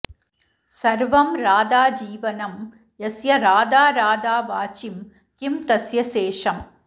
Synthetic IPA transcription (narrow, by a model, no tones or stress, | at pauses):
sɐɾʋɐmɾaːd̪aːd͡ʒiːʋɐnɐm | jɐsjɐɾaːd̪aːɾaːd̪aːʋaːt͡ʃɪm | kɪmt̪ɐsjɐseːʂɐm